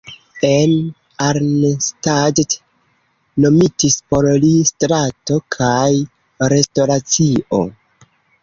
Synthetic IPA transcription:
en | aɾnestad͡ʒt | no̞mitispo̞ɾlistɾato̞kʰaj | ɾe̞sto̞ɾat͡siʔo̞̰

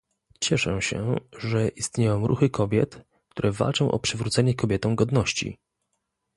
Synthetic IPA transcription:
t͡ɕɛʂɛɕɛ̰ʐɛʔist̪ɲejɔ̃w̃ɾʔṵxɘkʰɔbʲjɛ̰t̪ | k̚t̪uɾʔɛva̰lt͡ʂɔ̃w̃ʔɔ̰pʂɘvɾut̪sɛɲɛkɔbʲjɛt̪ɔ̃w̃ɡɔd̪nɔɕt͡ɕḭ

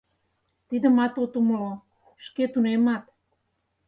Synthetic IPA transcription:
t̪id̪ə̆mɑt̪ot̪umlo | ʃket̪unemɑt̪

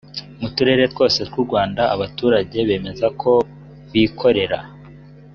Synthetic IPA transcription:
mutuɾe̞ɾe̞two̞ːse̞t̚wuɾɡwaːndaaβatuːɾaɟe̞βe̞ːme̞zakʰo̞ | βikʰo̞ɾe̞ɾa̰

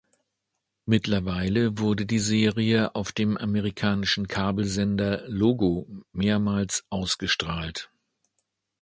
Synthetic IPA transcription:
mɪtlɐvaɪləvʊɐdədiːzeːʁiəʔaʊfd̥eːmʔameʁikʰaːnɪʃn̩kʰaːbl̩zɛndɐloːɡomeːɐmaːlsʔaʊsɡ̥əʃtʁ̥aːlt

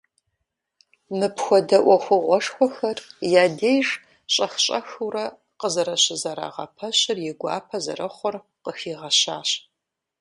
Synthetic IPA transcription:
mɨpxʷɔdɐʔʷɔxʷʊʁʷɔʂxʷɔxɐrjaːdeːjʒ | ɕʼɐxɕʼɐxɨwrɐ | qəzɐɾɐɕɪzɐɾa̰ːʁɐ̰pʰɐɕɪrjɪɡʷɑ̰ːpʰɐzɐ̰rɐχʷɔr | qəxiːʁɐɕaːɕ

